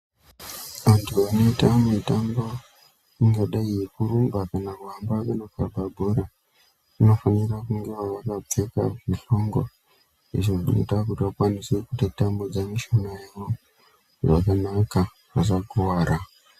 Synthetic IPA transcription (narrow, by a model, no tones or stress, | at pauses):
ʋantʰuanoitamitambo | iŋɡaɗaijekuɾumbakanakwambakanokabʱabʱoɾa | ino̞fanirakuŋɡeʋaʋakap͡feka̰muɬoŋɡo̰ | ḭʐoʐino̰takutiʋakwanisekutetambod͡zamiʃanajewo | ʐa̰kanaka | ʋasakuwaːɾʔa